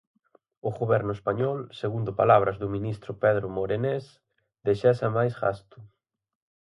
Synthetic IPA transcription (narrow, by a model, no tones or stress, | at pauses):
ʊɣoβɛɾnʊespaɲɔlseɣund̪ʊpalaβɾɐzðʊmĩnist̪ɾʊpɛð̞ɾʊmoɾenes | d̪eʃɛsɐmajsɣa̰st̪ʊ